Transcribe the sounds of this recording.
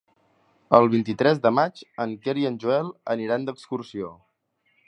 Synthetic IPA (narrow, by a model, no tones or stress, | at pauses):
əlˠβ̞int̪it̪ɾɛzd̪əmad͡ʒəŋkeɾiənʲʒuɛlˠəniɾand̪əkskursio